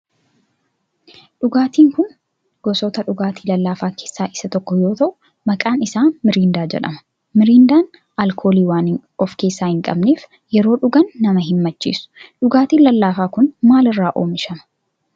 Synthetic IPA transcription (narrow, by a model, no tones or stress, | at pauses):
ᶑʊɡaːt̪iːŋkʊn | ɡ̥ɔsɔt̪ɐᶑʊɡaːt̪iːlɐlːaːfaːke̞ːsːaːʔɪ̥sɐt̪ɔkːɔjo̞ːt̪ɐʔʊ | mɐkʼaːnɪsaːnmɪɾiːnd̪aːd͡ʒɛ̰ᶑɐ̰mɐ̥ | mɪɾiːnd̪aːn | ɐlkʰo̞ːliːwaːn | ɔfke̞ːsːaːhɪŋkʼɐ̰bneːf | jɛɾo̞ːᶑʊɡɐnːɐmɐɦɪmːɐt͡ʃːḭːsʊ̥ᶑʊɡaːt̪iːnlɐlːaːfaːkʊnmaːlɪrːaːʔo̞̰ːmɪʃɐmɐ̥